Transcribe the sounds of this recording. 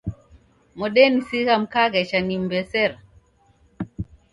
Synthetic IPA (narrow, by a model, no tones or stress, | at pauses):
mɔɗɛnisiɣam̩kaɣɛt͡ʃanimbɛsɛɾ